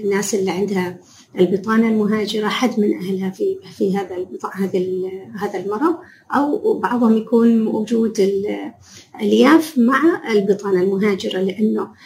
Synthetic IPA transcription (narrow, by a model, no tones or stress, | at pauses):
nːaːsʔɪlːiʕɪnd̪ha | ʔlbɨt̪ˤɑːnalmʊɦaːd͡ʒɪɾaħad̪ːmɪnʔahlhafifiɦaːðalbt̪ˤɑʕhaːðalhaːðalmɑɾˤɑ | ʔawbɑʕðˤhʊmjakuːnwʊd͡ʒuːd̪ɪl | ʔaljaːfmaʕaɪlbɨt̪ˤɑːnalmʊɦaːd͡ʒɪɾalɪʔanːʊ